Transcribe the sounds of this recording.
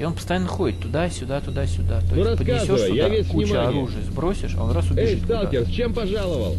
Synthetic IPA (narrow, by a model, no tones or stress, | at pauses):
ɪo̞npəst̪ɐjanːəxo̞dʲɪt̪ːʊd̪asʲʊd̪at̪ʊd̪asʲʊd̪at̪onuɾɐspəd̪ʲkanɪszʲoətj̪ʊj̪avʲekut͡ɕəɐɾuʐɨjəzbɾo̞sʲɪʂɐ̰onɾasʊbɪɪɨtt̪t̪alˠʲɪrst͡ɕempɐʐalˠəvə̰lˠ